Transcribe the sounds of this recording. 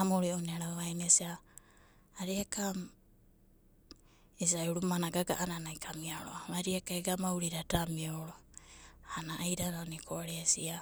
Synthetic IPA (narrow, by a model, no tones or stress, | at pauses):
amoɾioneɾaβajnesiaː | ɾiakam | es̬auɾumanaɡaɡa̰ʔananaikʰamiaɾo̰aβaɾiakaeɡamauɾiɾatamioɾoanaʔːjɾaɾanikʰoɾesia